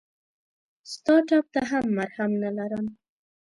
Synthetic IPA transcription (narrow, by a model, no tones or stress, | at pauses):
st̪ɑʈɑp̚t̪aɦamːaɾhamnalaɾəm